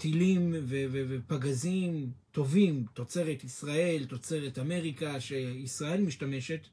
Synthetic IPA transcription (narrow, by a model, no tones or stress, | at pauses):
tilimvevevepaɡazimt̪o̞vimt̪o̞t͡se̞ʁet̪isʁae̞lt̪o̞t͡se̞ʁetame̞ʁikaʃeisʁae̞lmiʃtameʃe̞t